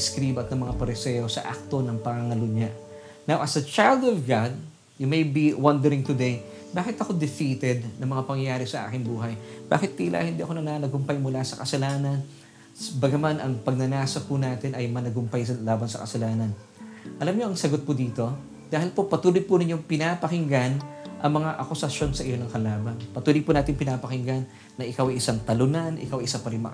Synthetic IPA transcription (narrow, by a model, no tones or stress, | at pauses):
skɾiːbɐt̪nɐŋmɐŋapɐɾɪsɛjo̞sɐ̰ʔa̰k̚t̪o̞nɐŋpɐŋaŋɐlʊɲa | nawʔɐsɐt͡ʃajld̪ɔvɡad̪̚ | jʊmejbiwɐnd̪ɛɾɪŋt̪ʊd̪ej | baːkɪt̪ɐkod̪ɪfiːt̪ɛd̪nɐŋmɐŋapɐŋjaːɾɪsɐʔa̰ːkɪŋbuːɦɐjba̰ːkɪt̪̚ːilʔa̰ʔhɪnd̪iɐkonɐnanɐɡʊmpajmʊlasɐkɐsɐlaːnɐn | sbɐɡɐmanʔɐŋpɐɡ̚nɐnaːsɐpunaːt̪ɪnɐjmɐnɐɡʊmpajsɐlaːbɐnsɐ̰kɐsɐlaːnɐn | ʔɐlamɲo̞ʔɐŋsɐɡot̪̚pʊd̪iːt̪o̞ | d̪aːhɪlpo̞pɐt̪uːlojpʊnɪɲːo̞ŋpɪnapɐhɪŋɡanʔɐŋmɐŋaʔɐkʊsɐʃjo̞nsɐʔɪjo̞nɐŋkɐlaːbɐnpɐt̪uːlojpunaːt̪ɪŋpɪnapɐkɪŋɡanː | ɐʔɪkawɐjɪsaŋt̪ɐlʊnanʔɪ̰kawɐjʔɪsapɐɾɪnmɐ̰